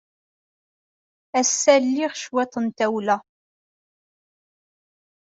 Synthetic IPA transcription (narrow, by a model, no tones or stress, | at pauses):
æsːælːiʁʃwɛt̪ˤənt̪æwlæ